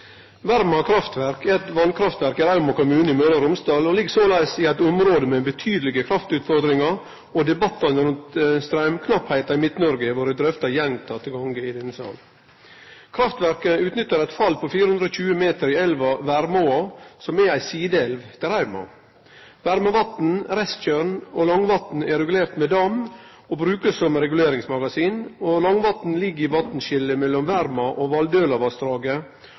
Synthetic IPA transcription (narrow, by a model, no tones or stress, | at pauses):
ʋæɾmɑkʰɾɑft̪ʋæɾkʰɛt̪ʋɑnkʰɾɑft̪ʋæɾkɪɾɑʉmɑkʊmʉːnəɪmøːd̪əɾʊmst̪ɑːlɔlɪɡsoːlæɪsiæɪt̪ʊmɾoːd̪əmɛbət̪ʰyːd̪əlɪɡəkʰɾɑft̪ʉːt̪fɔɾd̪ɾɪŋɑɾ | od̪ɛbɑt̪ːɑnəɾʉnt̪st̪ɾæʏmkʰnɑphæɪt̪ɑɪmɪt̪nɔɾɡəɪʋoːɾəd̪ɾœft̪ɑjɛnt̪ʰɑːt̪ʰɪlɡɑŋɡəɪd̪ɛnːəsɑ̰ːl | kʰɾɑft̪ʋæɾkəʉːt̪nʏt̪ːəɾæɪt̪fɑlːpʰɔfiːɾəhʉnd̪ɾoːçʉːəmeːt̪əɾiɛlʋɑʋæɾmosɔmɛæɪsiːd̪ɛlʋt̪ʰɪɾæɾmɑ̰ | ʋæɾmɑʋɑt̪n̩ɾɛst̪çœɾɳolɑŋʋɑt̪n̩ɛɾɛɡʉleːɾt̪med̪ɑm | oːbɾʉːkəsɔmɾɛɡʉleːɾɪŋsmɑɡɑsiːnolɑŋʋɑt̪n̩lɪɡːəɪʋɑt̪n̩ʃɪlːəmɛlːɔmʋæɾmɑʔoːʋɑld̪øːlɑʋɑst̪ɾɑːɡə